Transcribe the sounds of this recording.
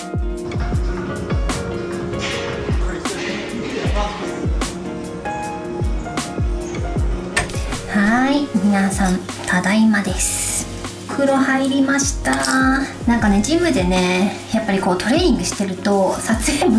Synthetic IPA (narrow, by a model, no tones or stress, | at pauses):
haimʲinasãn | t̪ʰad̪aimad̪e̞sɨ̥ | kʰɯ̟ɾo̞haɾʲibʲimaɕi̥t̪anãŋkane̞d͡ʑĩmɯ̟d̪e̞ne̞ | japːaɾʲiko̞ːt̪ʰo̞ɾe̞ːɲ̟ĩŋɡɯ̟ɕi̥t̪e̞ɾɯ̟t̪o̞sat͡sɨeːmo